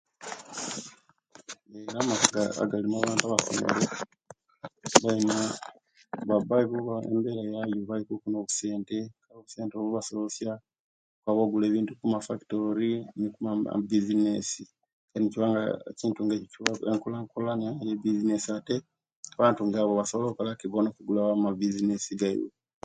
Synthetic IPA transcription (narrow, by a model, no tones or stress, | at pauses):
eɾamakaɡaa̰ɡalimaːβaːntuaβasḛn̰ɾe | βalima | βabajikuβaḛmbe̞ːɾajajoβalikukuno̞ːkuse̞ːnte̞kaoβuse̞ːnteoβuβasolosja | kwaβoɡule̞ːβiːntukumafaki̥to̞ɾinikuma̰bizinesi | kaniciβaːŋɡaciːntuŋɡeieŋkulaŋkulaneajebizinesiate | aβaːntuŋɡaβoβasoβlokalakiβonokuɡulaβamabizinesiɡajo̰